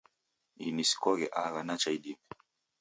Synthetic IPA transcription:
inisi̥kɔɣɛʔaɣanat͡ʃaiɗimɛ

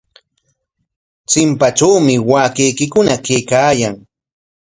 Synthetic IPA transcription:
t͡sɪmpaʈ͡ʂawmɪwaːkejkɪkʊnakejkaːjaŋ

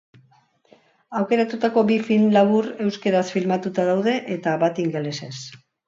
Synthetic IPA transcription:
awke̞ɾat̪ut̪ako̞bifinlaβ̞uɾe̞wske̞ɾasfilmat̪ut̪aðawðe̞ʔet̪aβat̪iŋɡelese̞s

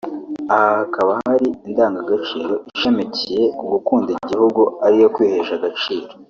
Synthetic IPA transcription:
ahahakaβahaɾiindaːŋɡaɡat͡ʃiːɾo̞ʔiʃe̞mecije̞uɡukuːndiɟihuɡuaɾijo̞kwiːheʃaɡat͡ʃiːɾo

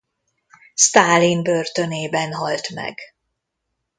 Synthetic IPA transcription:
st̪aːlinbørt̪øneːbɛnɦɒlt̪mɛ̰ɡ

